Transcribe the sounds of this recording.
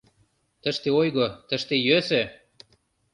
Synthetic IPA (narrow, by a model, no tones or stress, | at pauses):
t̪ə̆ʃt̪eojɣot̪ə̆ʃt̪ejøsø